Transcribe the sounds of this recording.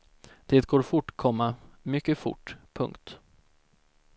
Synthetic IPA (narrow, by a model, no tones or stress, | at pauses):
d̪̥eːt̪ɡoːɾfʊʈːkʰɔmːamʏkːəfʊ̰ʈːpʰɵ̰ŋkt̪